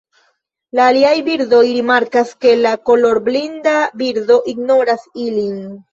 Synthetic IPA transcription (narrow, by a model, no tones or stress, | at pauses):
laːliajbiɾdo̞jɾimaɾkaske̞lako̞lo̞ɾblindabiɾd̪o̞ʔiɡno̞ɾasilin